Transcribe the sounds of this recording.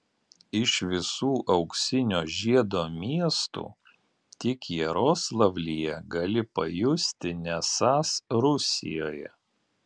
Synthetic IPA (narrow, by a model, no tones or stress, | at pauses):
ɪʃʋʲɪsuːʔɐʊksʲɪnʲoːʒʲiɛd̪oːmʲiɛst̪ṵː | t̪ʲɪkjɛɾoːslˠɐʋʲlʲijɛɡɐlʲɪpɐjʊsʲt̪ʲɪnʲɛsɑːsɾʊsʲɪ̰joːjɛ̰